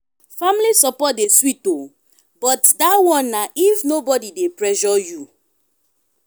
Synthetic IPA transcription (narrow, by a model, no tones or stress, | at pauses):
familisɔpɔt̚deswito | bɔtdawɔ̃nːaʔifnobɔdidepɹɛʃɔju